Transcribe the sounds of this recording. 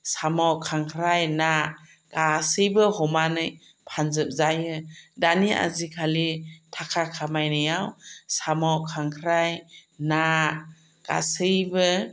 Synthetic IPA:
samɔkʰaŋkʰɾajna | kasɯjbɯhɔmanɯj | pʰanzɯp̚zajɯdania̰zikʰalitʰakʰakʰamajnɯjawsamɔkʰaŋkʰɾajna | ka̰sɯjbɯ

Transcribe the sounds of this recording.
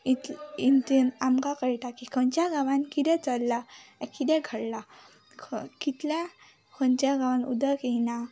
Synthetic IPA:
it̪int̪inamkakəjʈakikʰənt͡ɕjaɡãʋãnkid̪ɛ̃t͡səlːaɛkid̪ɛ̃ɡʱəɽla | kʰkit̪lɛ̃ | kʰənt͡ɕjaɡãʋãnṵd̪əkiina

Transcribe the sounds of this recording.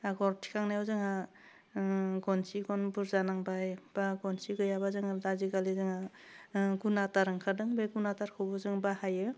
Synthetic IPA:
aɡɔɾtʰi̥kʰaŋnajɔzɯŋa | ɡɔnsiɡɔnbuɾzanaŋbajb̥aɡɔnsiɡɯjabazɯŋalaziɡalizɯŋa | ɡunataɾɯŋkʰadɯŋbeɡunataɾkʰɯbɔzɯŋbahajɯ

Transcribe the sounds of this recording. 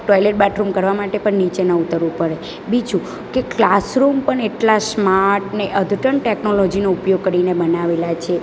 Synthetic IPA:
ʈɔjleʈ̚bɛʈʰɾumkəɾʋamaʈepəɳnit͡ʃenəut̪əɾupəɾe | bid͡ʒu | keklasɾumpəɳeʈlasmaɾʈneʔəd̪ʱʈəɳʈeknolod͡ʒinoupjoɡ̚kəɾinebənaʋelat͡ʃʰe

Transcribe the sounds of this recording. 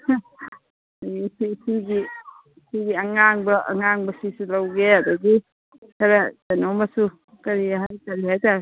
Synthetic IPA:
ajsisiɡi | siɡiaŋaŋbɐʔaŋaŋbɐsisulawɡeadaɡi | kʰaɾatanɔwmasu | kɐɾiɦajkaɾiɦajt̪aɾ

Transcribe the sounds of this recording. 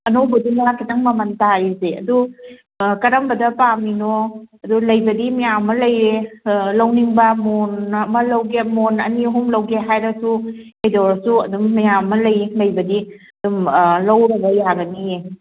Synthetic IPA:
ɐnowbɐdinakʰitɐŋmɐmɐntaizeɐ̰du | kɐɾɐmbɐdɐpaminoɐdulɐjbɐdimɐjamɐlɐjɾelɐwniŋbɐmonmɐlɐwɡemonɐ̰niɦumlɐwɡeɦajɾɐsu | ejdɔɾsuɐdumːɐjamɐlɐjlɐjbɐdi | ɐdumlɐwɾɐɡɐjaɡɐnije

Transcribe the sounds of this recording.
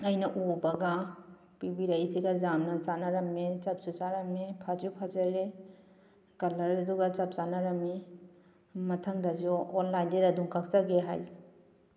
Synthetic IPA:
ɐjnɐʔubɐɡa | pibiɾaisiɡɐzamnɐt͡ʃanaɾɐmːet͡ʃɐp̚sut͡ʃaɾɐmepʰad͡ʒupʰad͡ʒɐɾe | kɐlɐɾɐduɡat͡ʃɐp̚t͡ʃanaɾɐme | mɐtʰɐŋdaziːnlajndedɐduŋkʰak̚saɡeɦa̰j

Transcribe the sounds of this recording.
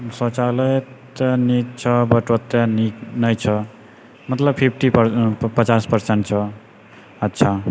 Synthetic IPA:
sɔt͡ʃaləjt̪nik̚t͡ʃʰʌbʌʈot̪ːeninəjt͡ʃʰʌ | mət̪ləbpʰip̚ʰʈippət͡ʃaspəɾseɳʈ̚t͡ʃʰʌ | ətːʃʰa

